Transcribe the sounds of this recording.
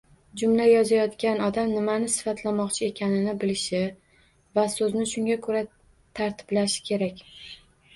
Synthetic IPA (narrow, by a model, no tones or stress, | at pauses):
d͡ʒʊmlajɒzajɒt̪kʲanɒd̪amnɪmanɪsɪ̥fat̪ʰlamɒqt͡ʃʰɪe̞kʲʰanɪnɪbɪlɪʃɪ | vasɵznɪʃʊŋɡʲakʰɵɾa | t̪ʰaɾt̪ʰɪ̥blaʃɪ̥kʲʰe̞ɾakʲ